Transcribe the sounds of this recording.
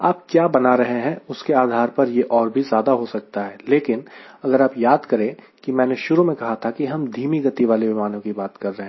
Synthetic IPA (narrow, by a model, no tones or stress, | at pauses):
aːp̚kjaːbɐnaɾɐɦẽɦɛ̃ʊskeaːd̪ʱaːɾpɐɾjeʔɔːɾbʱizjaːd̪aɦosɐk̚t̪aɦɛːleːkɪn | ɐɡəɾaːpjaːd̪kɐɾẽ | kimɛ̃ːneʃʊɾumẽkɐɦat̪ʰakiɦɐmd̪ʱiːmiɡɐt̪iʋaːleʋɪmaːnõkibaːt̪kɐɾːɐɦeɛ̃ː